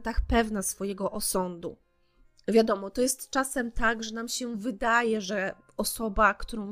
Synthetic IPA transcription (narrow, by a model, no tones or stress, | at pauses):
t̪axpɛvnasfɔjɛɡɔʔɔsɔnd̪ṵ | vʲjad̪ɔmɔt̪ɔjɛst̪t͡ʂasɛmt̪aɡʐɛnamɕɛvɘd̪ajɛʐɛ | ɔsɔbakt̪uɾɔ̃w̃